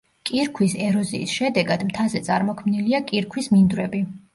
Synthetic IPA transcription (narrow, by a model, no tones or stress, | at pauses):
kʼiɾkʰwisɛɾɔzḭːsʃɛd̪ɛɡad̪mt̪ʰazɛt̪sʼaɾmɔkʰmniliakʼiɾkʰwismind̪wɾɛbi